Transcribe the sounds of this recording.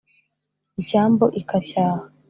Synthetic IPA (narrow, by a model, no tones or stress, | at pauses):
icaːmboʔikacaːha